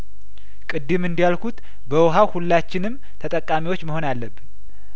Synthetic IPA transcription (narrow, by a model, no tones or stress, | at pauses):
kʼɨd̪ːɨmɨnd̪ijalkʰut̪ | bəwɦawhulːat͡ʃːɪnɨm | t̪ʰət̪ʼəkʼːamiwo̞t͡ʃːməho̞nalːəbːɨn